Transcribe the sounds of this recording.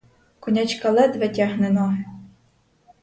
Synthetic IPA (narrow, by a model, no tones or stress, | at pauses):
kɔnʲat͡ʃkɐlˠɛd̪ʋɛtʲaɦnenɔ